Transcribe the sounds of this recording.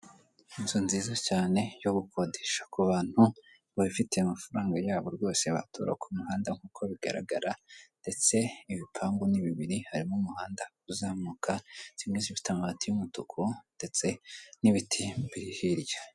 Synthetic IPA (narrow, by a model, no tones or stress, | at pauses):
insonziːzacaːne̞joβukʰo̞deʃḁkuβaːn̥hu | βaβifite̞imafaɾaːŋɡajaːβo̞ɾɡo̞ːse̞βa̰tʰṵɾa̰kʰumuhaːndaŋ̥huːkʰo̞βiɡa̰ɾa̰ɡaɾande̞t͡se̞iβipʰaːmɡuniβiβiɾihaɾimumuhaːndakuzaːmukʰaz̥imŋezifi̥tʰamatijumutukʰund̥e̞t͡se̞niβitʰibiɾihiɾjḁ